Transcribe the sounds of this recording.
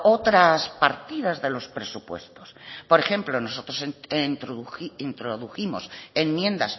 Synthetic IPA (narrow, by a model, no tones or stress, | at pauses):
ot̪ɾaspaɾt̪ið̞azðe̞lo̞spɾe̞supwe̞̰st̪o̞spo̞ɾe̞xe̞mplo̞no̞so̞t̪ɾosent̪ɾint̪ɾoðuθimosemmje̞nd̪as